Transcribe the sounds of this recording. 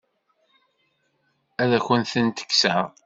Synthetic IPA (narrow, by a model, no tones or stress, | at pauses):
æðæçənθənt̪ə̥kːsəʁ